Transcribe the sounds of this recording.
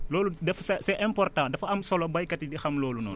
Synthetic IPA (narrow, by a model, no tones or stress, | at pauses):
lɔːludɛfsɛsɛʔɛmpɔrtãːdɐfɐmsɔlɔbɐjkɐtidixɐmlɔːlunɔ̰ːn